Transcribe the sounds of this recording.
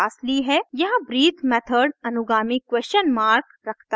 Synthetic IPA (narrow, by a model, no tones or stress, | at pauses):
aːsliɦɛːjɐɦãbɾiːt̪ʰmɛːt̪ʰəɾɖɐnʊɡaːmikːwɛːst͡ʃənmaːɾk | ɾɐkʰt̪a